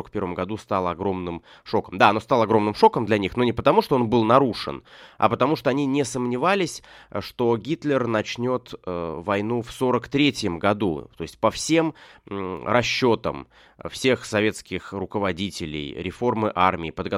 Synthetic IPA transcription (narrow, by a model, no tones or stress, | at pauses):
əkpʲe̞ɾvəmɡɐd̪ust̪alˠəɐɡɾo̞mnɨm | ʂo̞kəmd̪aɐno̞st̪alˠəɐɡɾo̞mnɨmʂo̞kəmd̪lʲɐnʲixno̞nʲɪpət̪ɐmuʂt̪oo̞nbɨlˠnɐɾuʂɨ̰nɐ̰pət̪ɐmuʂt̪oɐnʲinʲɪsəmnʲɪvalʲɪsʲʂt̪o̞ɡʲit̪lʲɪrnɐt͡ɕnʲo̞t̪vɐjnufso̞ɾəkt̪ɾʲetʲjəmɡɐd̪ṵt̪o̞ɪsʲt̚ʲpɐfsʲe̞m | rɐɕːo̞t̪ə̰m | fsʲe̞xsɐvʲe̞t̪skʲɪxrʊkəvɐdʲitʲɪlʲɪ̰jɾʲɪfo̞rmɨʔarmʲɪːpəd̪ɡɐ